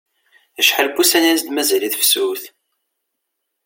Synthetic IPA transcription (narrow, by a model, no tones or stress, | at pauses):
əʃħəlbusænænsd̪mæzæliθfsuθ